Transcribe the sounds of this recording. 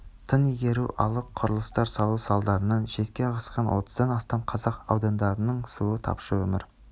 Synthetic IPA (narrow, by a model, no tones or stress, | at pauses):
t̪ʰənijɡʲe̞ɾuʔɑ̰lˠəqʰːʊɾəlˠəst̪ɑɾsɑlˠuwsɑlˠd̪ɑɾənɑnʃe̞t̪kʲe̞ʁɑsqɑnwʔo̞t̪ʰə̥zd̪ɑnɑst̪ɑmqʰɑzɑqɑ̰wd̪ɑnd̪ɑɾənəɴsuət̪ʰɑ̰pʃəwɵmɪɾ